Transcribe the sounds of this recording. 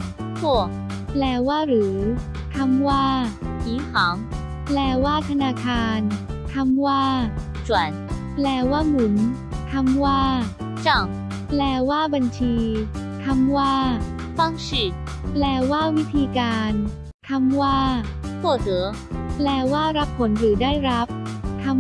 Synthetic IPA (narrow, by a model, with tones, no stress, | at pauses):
t͡sʰwɔ˥˩ | plɛː˧waː˥˩ɾɯː˩˦ | t̪ʰa˧˥mwaː˥˩i˨˦ŋha˨˩˦ŋ | lɛː˧waː˥˩t̪ʰa˧naː˧kʰaː˧nt̪ʰa˧mwaː˥˩ | t͡ɕwa˨˩˦n | plɛː˧waː˥˩mu˩˦n | t̪ʰa˧˥mwaː˥˩ | t͡ɕa˥˩ŋ | plɛː˧waː˥˩ba˧nt͡ɕʰiː˧t̪ʰa˧˥mwaː˥˩ | fa˥˩ŋɕi˨˩ | plɛː˧waː˥˩wi˦˥t̪ʰiː˧kaː˧n | t̪ʰa˧˥mwaː˥˩tʰɔ˥˩t̪ɤː˨˩˦ | plɛː˧waː˥˩ɾa˦˥pʰːo˨˩˦nɾɯː˩˦daː˥˩jɾa˦˥p̚t̪ʰa˧˥m